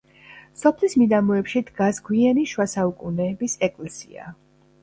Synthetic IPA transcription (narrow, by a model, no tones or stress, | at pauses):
sɔpʰlismid̪amɔɛpʃid̪ɡasɡwianiʃwasaukʼunɛːbisɛkʼlɛsḭa̰